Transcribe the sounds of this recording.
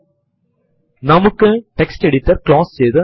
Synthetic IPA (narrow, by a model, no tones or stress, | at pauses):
nɐmɯkːɯʈɛksʈɛɽɪt̪ːɐɾklaːssɛjðɯ